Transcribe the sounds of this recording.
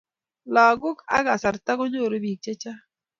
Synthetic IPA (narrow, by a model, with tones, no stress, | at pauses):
lɔ˨ɡʊ˦ka̰˦ɡa˨sa˨ɾta˦ko˦ɲo˦˨ɾo˦bi˨k̚t͡ʃe˦t͡ʃa˦